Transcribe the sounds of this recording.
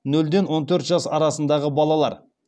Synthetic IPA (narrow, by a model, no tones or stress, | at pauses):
nɵld̪enwo̞nt̪ʰɵɾt̪ʒɑsɑɾɑsənd̪ɑʁəbɑlˠɑlˠɑ̰ɾ